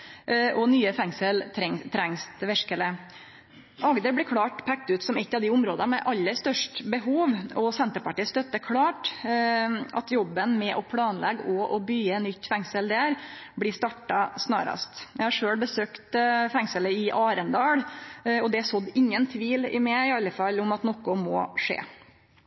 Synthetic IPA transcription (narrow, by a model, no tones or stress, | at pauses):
ʔɔnyːəfɛŋsəlʰɾɛŋt̪ʰɾɛŋst̪ʋɛʂkələ | ʔɑɡd̪əɾblɛkʰɽɑːʈpʰɛk̚t̪ʉːt̪sɔmɛt̪ːɑʋd̪ɪʊmɾoːd̪ɑmɛʔɑlːəɾst̪œʂʈbəɦuːʋɔsɛnt̪əɾpɑʈiːst̪œt̪ːəkʰɽɑːʈ | ʔɑ̰t̪jɔbːənmɛʔɔpʰlɑːnlɛ̰ɡɔʔɔbyːɛnːʏt̪ːfɛŋsəld̪æɾblɪst̪ɑʈːɑsnɑ̰ːɾɑ̰st̪jæɪhɑɾʂøːɽbəsøːkt̪fɛŋsələɪʔɑːɾənd̪ɑːɽɔd̪ɛsɔd̪ːɪŋːənt̪ʰʋiːlɪ̰mɛɪɑlːəfɑlːʊmɑt̪nɔkːʊmɔ̰ʂḛː